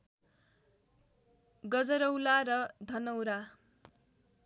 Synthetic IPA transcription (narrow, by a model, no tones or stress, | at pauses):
ɡʌd͡zʌɾʌwlaɾʌd̪ʱʌnʌwɾa